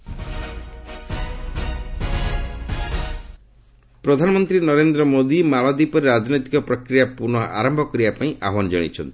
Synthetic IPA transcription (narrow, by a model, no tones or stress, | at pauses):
pɾɔd̪ʱanɔmɔnt̪ɾinɔɾend̪ɾɔmod̪imaɭɔd̪ipɔɾeɾad͡ʒɔnit̪ikɔpɾɔkɾijapuɾɽ̃ɔʔa̰ɾɔmbʱɔkɔɾibapaĩʔaɦwanɔd͡ʒɔɽ̃ḭt͡ʃʰɔnt̪i̥